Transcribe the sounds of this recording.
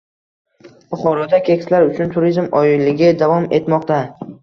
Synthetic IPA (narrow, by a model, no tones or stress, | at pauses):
b̥ʊχɒɾɒd̪akʲʰe̞kʲslaɾʊt͡ʃʰʊnt̪ʰʊɾizmɒjɪlːɪɡʲɪd̪avɒme̞t̪mɒq̚t̪a